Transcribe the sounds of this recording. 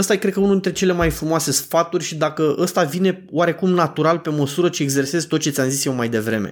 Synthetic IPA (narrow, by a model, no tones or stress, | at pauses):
əst̪ajkɾe̞d̪kəunud̪int̪ɾe̞t͡ʃe̞le̞majfɾumoase̞sfat̪urʲʃid̪akəʔəst̪avine̞waɾe̞kumnat̪uɾalpe̞məsuɾət͡ʃieɡze̞rse̞zt̪ot̪̚t͡ʃet̪sʲamzisjewmajd̪e̞vɾe̞̰me̞̰